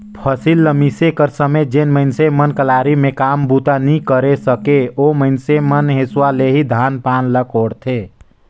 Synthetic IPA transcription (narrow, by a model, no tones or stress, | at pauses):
pʰəsilːəmisekəɾsəmed͡ʒenməɪnsemənkəlaɾimẽkambut̪anikəɾesəkeoməɪnsemənɦeswaleɦid̪ʱanpanləkoɽt̪ʰe